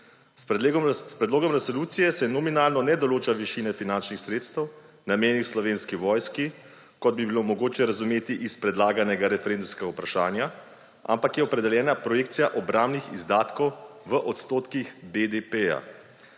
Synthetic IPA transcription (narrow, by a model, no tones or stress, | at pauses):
spɾɛd̪loːɡɔmɾɛsoluːt̪sijɛsɛnɔminaːlnɔnɛd̪ɔloːt͡ʃaʋiʃinɛfinant͡ʃnixsɾeːt̪st̪ɛw | nameːnixslɔʋeːnskiʋɔːjski | kɔd̪̚bibilomɔɡoːt͡ʃɛɾazumeːt̪iʔispɾɛd̪laːɡanɛɡaɾɛfɛɾend̪umskɛɡaupɾaʃaːnja | a̰mpakjɛɔpɾɛd̪ɛljɛːnapɾɔjek̚t̪sijaʔɔbɾaːmnixizd̪aːt̪kɔwʋəʔɔt̪st̪oːt̪kixbed̪epeja̰